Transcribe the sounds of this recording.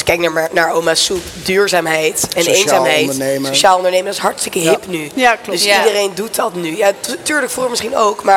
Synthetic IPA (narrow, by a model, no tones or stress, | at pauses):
sɪ̥kːɛjknanaːɹowmasup | dyːɹzaːmɦɛjtɛnejnaːɦɛjtəejsoʃaːlˠɔndəɹnejməŋdɔɪsɦɑɹtstəkəɦɪpnyadøsidərejndut̚dɑtnyjatyːɹləkfuːχəmɪsχinowkmaː